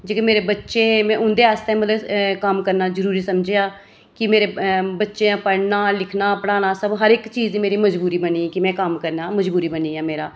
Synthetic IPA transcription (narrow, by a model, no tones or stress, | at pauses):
d͡ʒeːkəmeːɾeːbətːʃeːmɛ̃ːʔʊnd̪eːaːst̪ẽːmət̪ləbkəmkəɾnaːzəɾuːɾiːsəmd͡ʒeːaː | kɪmeːɾeːbətːʃẽːapəɽnaːlɪkʰnaːpəɽaːnaːsəbɦəɾɪkt͡ʃiːd͡ʒd̪iːmeːɾiːməd͡ʒbuːɾiːbəniːkɪmɛ̃ːkəmkəɾnaːməd͡ʒbuːɾiːbəniːaːmeːɾaː